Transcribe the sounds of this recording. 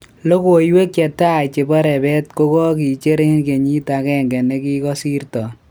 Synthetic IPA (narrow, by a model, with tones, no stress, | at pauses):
lo˦ko˨jwe˦kːɛ˨ta˦it͡ʃe˨bɔ˦ɾɛ˨bɛ˦tko˦kɔ˦ki˨t͡ʃe˦ɾe˦nke˨ɲi˦ta˨kɛ˦ŋɡɛ˨ne˦ki˦kɔ˦si˦ɾtɔ˨